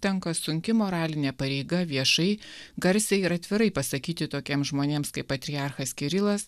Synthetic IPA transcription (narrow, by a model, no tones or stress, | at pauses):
t̪ʲɛŋkɐsʊŋʲkʲɪmoːɾɑːlʲɪnʲɛpɐɾʲɛɪɡɐʋʲiɛʃɐɪɡɐɾʲsʲɛɪɾɐt̪ʲʋʲɪɾɐɪpɐsɐkʲiːt̪ʲɪt̪oːkʲiɛmsʒmoːnʲeːmskɐɪpːɐt̪ʲɾʲiɑɾxɐskʲɪɾʲɪlˠɐs